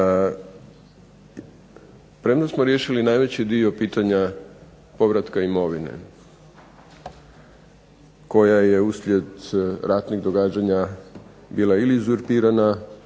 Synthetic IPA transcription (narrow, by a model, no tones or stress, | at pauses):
pɾemnosmo̞ɾje̞ʃilinaːjʋe̞t͡ɕid̪io̞piːt̪aɲa | po̞ʋɾat̪kaimo̞ʋinḛ | ko̞jaje̞uslʎʲje̞d̪ɾat̪niɣd̪o̞ɡaːd͡ʑaɲa | biːlˠailiːzuɾpiːɾana